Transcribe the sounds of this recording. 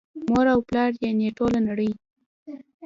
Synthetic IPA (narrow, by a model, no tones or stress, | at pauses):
moɾawplɑɾjeneʈolanaɽəj